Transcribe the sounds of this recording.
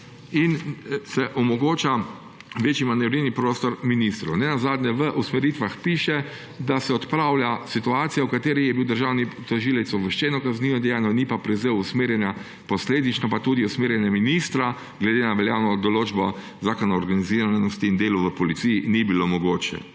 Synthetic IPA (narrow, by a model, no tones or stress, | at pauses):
insɛʔɔmɔɡoːt͡ʃa | ʋeːt͡ʃimanɛɾilnipɾoːst̪ɔɾminist̪ɾɐwnɛnazaːd̪nʲɛʋəʔusmɛɾiːt̪ʋaxpiːʃɛ | d̪asɛɔt̪pɾawljasit̪uaːt̪sijawkat̪eːɾijɛbiwd̪əɾʒaːwnit̪ɔʒiːlɛjt̪sɔʋəʃt͡ʃɛnɔkazniːʋɔd̪ɛjaːnɔnipapɾɛzeusmeːɾjɛna | pɔsleːd̪it͡ʃnɔpat̪uːd̪iusmeːɾjɛnaminist̪ɾa | ɡlɛd̪enaʋɛljaːwnɔd̪ɔloːd͡ʒbɔ | zaːkɔnɔːɾɡaniziɾanɔst̪iːnd̪eːluʋəpɔlit̪sijinibilomɔɡoːt͡ʃɛ̰